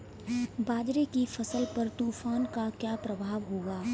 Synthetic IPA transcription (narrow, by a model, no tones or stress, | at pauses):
baːd͡ʒɾekifɐsəlpɐɾt̪uːfaːnkakjaːpɾɐbʱaːʋɦoːɡaː